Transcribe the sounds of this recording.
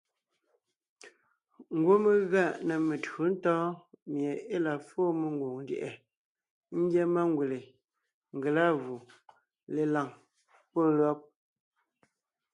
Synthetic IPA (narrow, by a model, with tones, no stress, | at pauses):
ŋ̩˦ɡwo˦me˦ɣa˦˨ʔnə˨me˨tu˨˦n̩˦tɔː˦mje˨e˦la˨fo˦˨me˨ŋ˦ɡwo˨ŋn̩˦djḛ˨ʔɛ˨ | n̩˦ɡjɛ˦ma˦ŋ˦ɡwe˨le˨ | ŋ̩˨ɡe˨la˦ɣu˨ | le˨la˨ŋ | po˦˨lɰɔ˦p̚